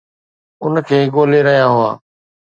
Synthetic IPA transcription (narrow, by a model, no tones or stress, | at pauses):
ʊnkʰeːɠoːleɾɐɦijãɦʊa̰ː